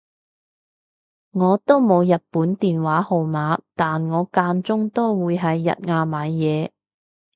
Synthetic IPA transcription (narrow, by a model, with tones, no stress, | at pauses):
ŋɔː˨˧t̪o˥wmo˨˧wjɐ˨t̚puː˨˥nt̪iː˨nwaː˨˥ho˨˧wmaː˨˧t̪aː˨nŋɔː˨˧kaː˧nt͡sʊ˥ŋt̪o˥wwuː˨˧jɦɐ˨jːɐ̰˨t̚ŋaː˧maː˨˧jjɛː˨˧